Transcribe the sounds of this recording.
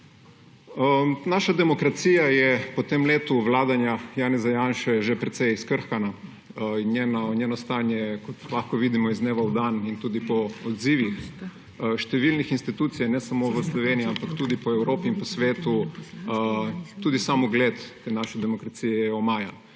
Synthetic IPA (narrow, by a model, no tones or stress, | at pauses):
naʃad̪ɛmɔkɾat̪siːjajɛpɔt̪emleːt̪uʋlaːd̪anjajaːnɛzajanʃɛʒepɾɛt̪sɛjiskəɾxkana | injeːnanjenɔst̪aːnjɛkɔt̪laxkɔʋid̪imɔizneːʋawd̪anint̪uːd̪ipɔɔd̪ziːʋix | ʃt̪ɛʋilnixinst̪it̪uːt̪sijanɛsamoʋəslɔʋeniiampakt̪uːd̪ipɔɛwɾoːpiinpɔsʋeːt̪u | t̪uːd̪isaːmɔɡleːt̪ːenaːʃɛd̪ɛmɔkɾat̪sijɛɛjjɛɔmaːja